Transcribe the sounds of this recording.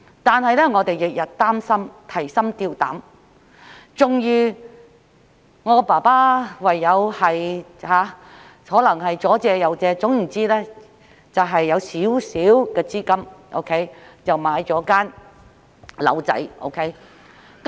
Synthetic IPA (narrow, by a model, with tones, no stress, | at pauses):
t̪aː˨nhɐ˨jlɛː˥ŋɔː˨˧t̪e˨jːɪ˨k̚jɐ˨t̚t̪aː˥msɐ˥mt̪ʰɐ˨˩jsɐ˥mt̪iː˧wt̪a̰ː˨˥m | t͡sʊ˨ŋjyː˧ | ŋɔː˨˧paː˨˩paː˥wɐ˨jːɐ˨˧whɐ˨jhaː˨˧˥ | hɔː˨˥lɐ˨˩ŋɦɐ˨jt͡sɔː˨˥t͡sɛː˧jɐ˨˧wt͡sɛː˧t͡sʊ˨˥ŋm̩˨˩t͡siː˥lɛː˥ | t͡sɐ˨wɦɐ˨jːɐ˨˧wsiː˨˥wsiː˨˥wkɛː˧t͡siː˥kɐ˥mʔo̰˥wkʰe˥jt͡sɐ˨wmaː˨˧jt͡sɔː˨˥kaː˥n | lɐ̰˨˧wt͡sɐ̰˨˥jʔo̰˥wkʰe˥j | k